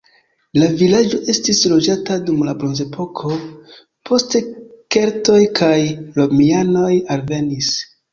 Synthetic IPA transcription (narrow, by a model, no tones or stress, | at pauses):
lavilad͡ʒo̞ʔe̞stislo̞d͡ʒatadumlabɾo̞nze̞pʰo̞kʰo̞ | pʰo̞ste̞ke̞ɾto̞jkʰajɾo̞miano̞jalve̞nis